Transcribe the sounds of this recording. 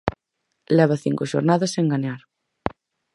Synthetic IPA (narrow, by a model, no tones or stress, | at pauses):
lɛβ̞ɐθḭŋkʊʃo̰ɾnaðɐseŋɡaɲaɾ